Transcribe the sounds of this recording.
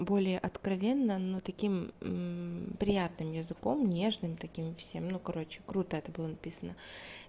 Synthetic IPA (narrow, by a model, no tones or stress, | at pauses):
bo̞lʲɪjəʔɐt̪kɾɐvʲe̞nːənot̪ɐkʲim | pɾʲɪjat̪nɨmjɪzɨko̞mnʲe̞ʐnɨmt̪ɐkʲimfsʲe̞mnukɐɾo̞t͡ɕɪ̥kɾut̪əɛt̪əbɨlˠənɐpʲisənə